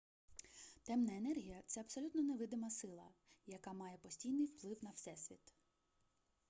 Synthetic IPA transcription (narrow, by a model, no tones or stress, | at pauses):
t̪ɛmnɐenɛrɦʲijɐt̪sɛɐbsɔlʲut̪nɔneʋɪd̪ɪmɐsɪlˠɐjɐkamɑjɛpɔsʲtʲijnɪjwplˠɪwnɐwsɛsʲʋʲit̪